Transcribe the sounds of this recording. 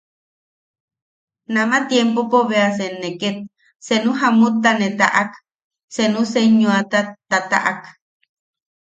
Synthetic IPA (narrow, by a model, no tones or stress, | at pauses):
namat̪jempopoβeas̬enːeket̪̚ | senuɦamut̪ːanet̪a̰ʔak | senuseɲuat̪at̪at̪a̰ʔak